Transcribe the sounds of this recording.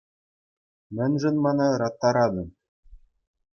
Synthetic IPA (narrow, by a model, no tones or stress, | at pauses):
mɘ̆nʒɘ̆nmɑnɤɾɑt̪ːɑɾɑd̪ɤ̆m